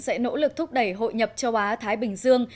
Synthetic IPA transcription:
sɛ̰˧˥no̰˧˥lɨ˨˩k̚t̪ʰʊ˦˥k͡p̚ɗə˧˩jɦo̰˧˨jɲə˨˩p̚t͡ɕə˨˧wʔaː˨˦t̪ʰaː˨˦jɓï˨˩ŋ̟zɨ˧əŋ

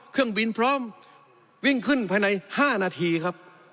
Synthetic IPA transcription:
kʰɯ˥˩əŋbi˧npʰɾɔː˦˥˨m | wi˥˩ŋkʰɯ˥˩npʰaː˧jna˧jhaː˥˩naː˧˩t̪ʰiː˧kʰa˦˥p̚

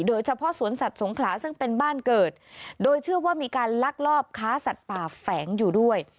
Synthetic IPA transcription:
doː˧jt͡ɕʰa˧pʰɔ˦˥ʔsu˩˦ənsa˨˩t̪̚so˩˦ŋkʰlaː˩˦sɯ˥˩ŋpe˧nbaː˥˩nkɤː˨˩t̪̚doː˧jt͡ɕʰɯ˥˩ɐwaː˥˩miː˧kaː˧nla˦˥˩k̚lɔː˥˩p̚kʰaː˦˥sa˨˩t̪̚paː˨˩fɛː˩˦ŋjuː˨˩du˥˩əj

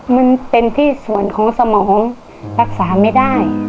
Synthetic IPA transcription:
ma˧npe˧nt̪ʰiː˥˩su˨˩ənkʰɔː˩˦ŋsa˧mɔː˩˦ŋ | ɾa˦˥˩k̚saː˩˦ma˥˩jdaː˥˩j

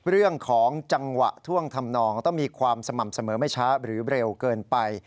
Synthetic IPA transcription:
ɾɯ˥˩əŋkʰɔː˩˦ŋt͡ɕa˧ŋwa̰˨˩ʔt̪ʰu˥˩əŋt̪ʰa˧mnɔː˧ŋt̪ɔ˥˩ŋmiː˧kʰwaː˧msa˧ma˨˩m̚sa˧mɤː˩˦ma˥˩jt͡ɕʰa˦˥ɾɯː˩˦ɾe˧wkɤː˧npa˧j

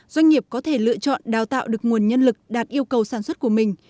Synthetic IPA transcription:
zwa˧jŋ̟ŋi˨˩əp̚kɔ˨˦t̪ʰe˧˩lɨ̰˧˨ət͡ɕɔ̰˧˨nɗaː˨˩wt̪a̰ː˧˨wɗɨ˨˩ək̚ŋu˨˩ənɲə˧nlɨ˨˩k̚ɗaː˨˩t̚ʔi˧əwkə˨˩wsaː˧˩nswə˦˥t̚ku˧˩əmï˨˩ŋ̟

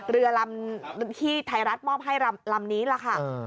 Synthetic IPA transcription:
ɾɯ˧ɐla˧mt̪ʰiː˥˩t̪ʰa˧jɾa˦˥t̪̚mɔː˥˩p̚ɦa˥˩jɾa˧mla˧mniː˦˥la˧˩kʰa˥˩

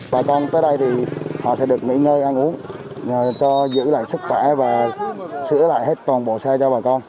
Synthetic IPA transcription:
ɓaː˨˩kɔ˧nt̪əː˨˦jɗə˧jt̪ʰi˨˩hɔ̰˧˨sɛ̰˧˥ɗɨ˨˩ək̚ŋḭ˧˥ŋəː˧jʔa˧nʔu˨˦ən˨˩ | t͡ɕɔ˧zɨ̰˧˥la̰ː˧˨jsɨ˦˥k̚xwɛ˧˩vaː˨˩sɨ̰˧˥əla̰ː˧˨jhe˦˥t̚t̪waː˨˩nɓo̰˧˨˩saː˧jt͡ɕɔ˧ɓaː˨˩kɔ˧n

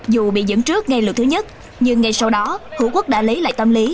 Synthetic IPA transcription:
zu˨˩ɓḭ˧˨zə̰˧˥nt͡ɕɨ˦˥ək̚ŋa˧jlɨ̰˨˩kt̪ʰɨ˨˦ɲə˦˥t̚ | ɲɨ˧ŋːa˧jsa˧wɗɔ˨˦t̪ṵ˧˩kwə˦˥k̚ɗa̰ː˧li˨˦la̰ː˧˨jt̪ə˧mli˨˦

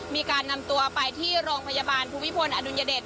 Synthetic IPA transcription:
miː˧kaː˧nːa˧mt̪u˧ɐpa˧jt̪ʰiː˥˩ɾoː˧ŋpʰa˧jaː˧baː˧npʰuː˧mi˦˥pʰo˧nʔaː˧du˧njaː˧deː˨˩t̪̚

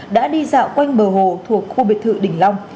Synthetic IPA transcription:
ɗa̰ː˧˥ɗi˧za̰ː˧˨wkwa˧jŋ̟ɓəː˨˩ɦo˧˨t̪ʰu˨˩ək̚xu˧ɓḭ˨˧˨nt̪ɨ̰˧˨ɗï˨˩ŋ̟la˧wŋ͡m

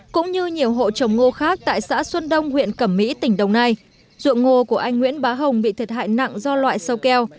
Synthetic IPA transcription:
kʊ̰˧˥ŋ͡mɲɨ˧ɲi˨˩əwɦo̰˧˨t͡ɕə˨˩wŋ͡mŋo˧xaː˦˥k̚t̪a̰ː˧˨jsa̰ː˧˥swə˧nɗə˧wŋ͡mhwḭ˧˨ənkə˧˩mːḭ˧˥t̪ï˧˩ŋ̟ɗə˨˩wŋ͡mna˧j | zṵ˧˨əŋŋo˧ku˧˩əʔa˧jŋŋwḭ˧˥ənɓaː˨˦ɦə˨˩wŋ͡mɓḭ˧˨t̪ʰə˨˩t̚ha̰ː˧˨jna̰˧˨ŋzɔ˧lwa̰ː˧˨jsə˧wkɛ˧w

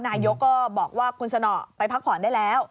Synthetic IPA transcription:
naː˧jo˦˥kːɔː˥˩bɔː˨˩k̚waː˥˩kʰu˧nsa˧nɔ̰˨˩pa˧jpʰa˦˥k̚pʰɔː˩˦ndaː˥˩jlɛː˦˥w

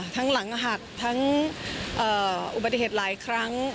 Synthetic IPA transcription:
t̪ʰa˦˥ŋla˩˦ŋʔɦa˨˩k̚t̪ʰa˦˥ŋʔɤː˨˩ʔu˨˩ba˨˩t̪ːi˧˩heː˨˩t̪̚laː˩˦jkʰɾa˦˥ŋ

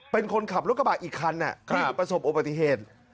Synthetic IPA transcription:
pe˧nkʰo˧nkʰa˨˩p̚ɾu˦˥k̚ʰːa˧baː˨˩k̚ʔiː˨˩kʰːa˧˥nʔa̰˨˩ʔtʰːpɾa˧so˨˩p̚ʔo˨˧˩baː˨˩t̪ːi˨ɦeː˨˩t̪̚

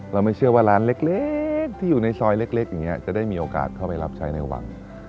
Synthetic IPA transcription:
ɾa˧wma˥˩jt͡ɕʰɯ˥˩ɐwaː˥˩ɾaː˦˥nle˦˥k̚le˦˥k̚t̪ʰiː˥˩juː˨˩na˧jsɔː˧jle˦˥k̚le˦˥k̚ja˨˩ŋːi˦˥ɐ˧˩t͡ɕa˨˩daː˥˩jmiː˧ʔoː˧ka̰ː˨˩t̪̚kʰa˥˩wpa˧jla˦˥p̚t͡ɕʰa˦˥jna˧jwa̰˧ŋ

